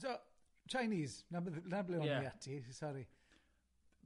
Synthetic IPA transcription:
sɔ | t͡ʃʰajniːznabðnablɛwnijatʰisɔɾi

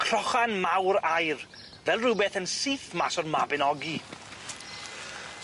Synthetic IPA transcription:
kʰr̥ɔχanmawɾajr | vɛlˠrubɛθənsiːθmasɔrmabɛnɔɡi

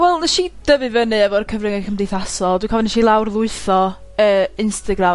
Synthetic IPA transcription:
wɛlˠnɛʃid̥əvɨvənɨɛvɔrkʰəvrɪŋɛkʰəmdɪjθasɔlˠdwikʰɔvɔnʃilˠawrðˠʊɨθɔ | əːɪnstaɡɾa

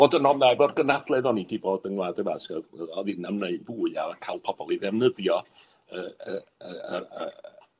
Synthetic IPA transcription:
vɔdənɔnɛvɔrɡənadlˠɛðɔnidivɔːdəŋlˠaːdəvasɡɛðəɔðinamneɨd̚buːɨa̰akʰalˠpʰɔb̥ɔlˠiðɛvnəðjɔ | əːəəəə

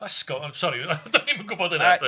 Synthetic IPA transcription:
ɛskɔsɔɾidanimuɡʊbɔdəna

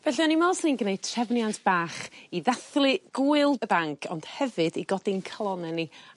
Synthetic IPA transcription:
vɛɬiɔnimɔsninɡnejd̚tʰrɛvnjantʰb̥aːχiðaθlˠɨɡ̥uɨlˠəbaŋkʰɔ̰nd̥hɛvɨdiɡɔdɪnkʰəlˠɔnɛni

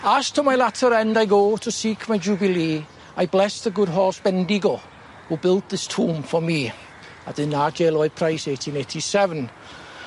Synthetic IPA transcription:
astʰəmajlatʰəɾɛ̃ndaɪɡoːtʰəsiːkʰmajd͡ʒuːbɪlˠiː | ajblɛsðəɡʊdɦɔsb̥ɛ̃ndiɡo | hubɪlˠt̚ðɪstʰuːmfɔmi | əðɪnad͡ʒelˠɔɪpʰɹ̥aɪsetʰĩneɪtʰisɛvə̃n

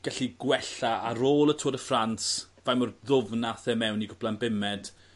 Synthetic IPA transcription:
ɡ̥aɬiɡwɛɬaaɾoːlˠətʰoːdəfransvajmɔrðʊvnaθɛmɛwniɡʊblˠanbɪmɛd̥

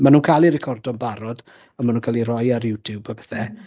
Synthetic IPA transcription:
manuːnkʰalˠiɾɛkʰɔrdɔmbaɾɔd | ənmanuːnkʰalˠiɾɔjaɾjɪwtʰubabəθɛ

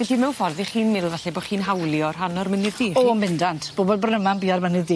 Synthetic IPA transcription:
vɛɬimɛwfɔrðiχiːnmɪlˠvaɬɛboχiːnɦawlˠjɔr̥anɔrmənɪːiːɔmɪndantʰb̥oːbɔd̚bɔrnəmanbiːarmənɪɨðiː

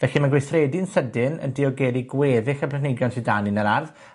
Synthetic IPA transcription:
vɛɬimanɡweθrɛdɪnsədɪnə̰ndiɔɡɛɾiɡwɛðɪxəpʰlɛnejɡjɔntʰidaninəɾarð

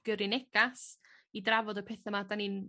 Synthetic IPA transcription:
ɡ̥əɾɪnɛɡas | idravɔdɔpʰeːθəmadanin

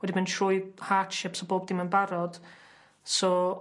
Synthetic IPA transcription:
wɛdiməntʰrʊjðhaːtʃɪpsɔboːb̚dɪmənbaɾɔd̥ | sɔː

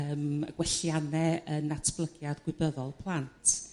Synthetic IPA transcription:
əːmə̰ɡ̥wɛɬjanɛənatʰb̥lˠəɡjadɡwɪbəðɔlˠpʰlˠantʰ

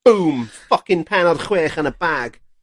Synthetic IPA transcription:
uːmfʌkɪ̃npʰɛnɔd̥χweːχənəbaːɡ̥

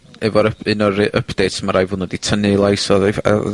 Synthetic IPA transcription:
ɛvɔɾəpɪnɔɾɪʔəpʰd̥ejtʰmaɾajvʊnɔditʰənɨlˠajsɔð̰

